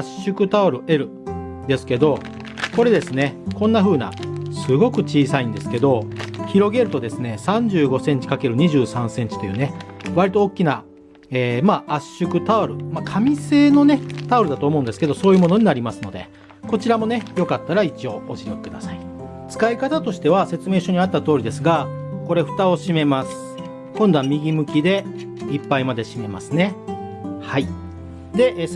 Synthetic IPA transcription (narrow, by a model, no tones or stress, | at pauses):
aɕɨkɯ̟t̪aɯɾɯe̞ɾɯ̟ | d̪e̞sɨ̥ke̞d̪o̞ | ko̞ɾe̞d̪e̞sɨne̞kõ̞nːaɸɯ̟ːna̰sɨɡo̞kɯ̟t͡ɕiːsaĩnd̪e̞sɨ̥ke̞d̪o̞çiɾo̞ɡe̞ɾɯ̟t̪o̞d̪e̞sɨne̞sãɲ̟d͡ʑɨːɡo̞sẽ̞ɲ̟t͡ɕi̥kake̞ɾɯ̟ɲ̟iʑɨːsãɰ̃sẽ̞ɲ̟t͡ɕi̥t̪o̞jɯ̟ːne̞βaɾʲit̪o̞ːkʲːina | eːmaːʔaɕɨkɯ̟t̪aɯɾɯ̟makʰamʲise̞ːno̞net̪aɾɯ̟d̪at̪oːmo̞ɯ̟̃nd̪esɨ̥ke̞d̪o̞so̞ːjɯ̟mo̞no̞ɲ̟inaɾʲimasɨno̞d̪e̞̰ | ko̞t͡ɕiɾamo̞nejo̞kat̪ːaɾait͡ɕio̞ːʔoɕinoki̥kɯ̟d̪asai | t͡sɨ̥kaikat̪at̪o̞ɕi̥t̪e̞β̞ase̞t͡sɨme̞ːɕo̞ɲ̟iat̪ːat̪o̞ːɾid̪esɨɡako̞ɾe̞ɸɯ̟t̪ao̞ɕime̞masɨ̥ | kõnd̪o̞amʲiɡʲimɯ̟kʲid̪e̞ | ipːaimad̪e̞ɕime̞ma̰sɨne̞ | hai | d̪e̞ʔ